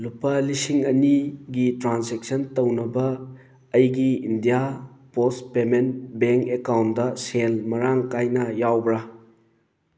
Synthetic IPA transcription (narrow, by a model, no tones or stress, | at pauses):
lupɐlisiŋɐniɡitɾansek̚sɐntownɐbɐː | jɡiindijapospemenbeŋkekawndɐselmɐɾaŋkajnɐjawbɾɐ